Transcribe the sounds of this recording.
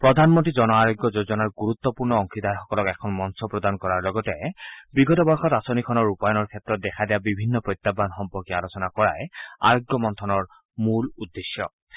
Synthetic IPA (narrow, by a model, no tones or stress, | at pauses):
pɹɔdʱanmɔntɹizɔnɔaɹoɡjɔzozɔnaɹɡuɹut̪ːɔpuɹnɔɔŋkʰid̪aɹxɔkɔlɔkɛkʰɔnmɔnsɔpɹɔdankɔɹaɹlɔɡɔtɛbiɡɔtɔbɔɹxɔtasonikʰɔnɔɹupajɔnɔɹkʰɛt̪ːɹɔt̚dɛkʰad̪ijabibʱinːɔpɹojt̪ːabːanxɔmpɔɹkialosɔnakɔɹa̰ja̰ɹoɡjɔmɔnt̪ʰɔnɔɹ | muludːesjɔ̰